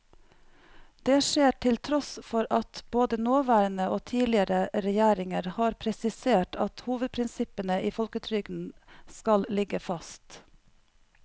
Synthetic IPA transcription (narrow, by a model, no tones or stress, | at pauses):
d̪̥eːʃeːʈʰɪlt̪ʰɾɔsfɔɾʔɑt̪boːd̪ənoːʋæːɾənəoːt̪ʰiːlɪəɾəɾɛjæːɾɪŋəɾhɑːɾpʰɾɛsɪseːʈɑt̪huːʋəd̪̚pʰɾɪnsɪpənəʔiːfɔlkət̪ʰɾʏɡn̩skɑllɪɡəfɑst̪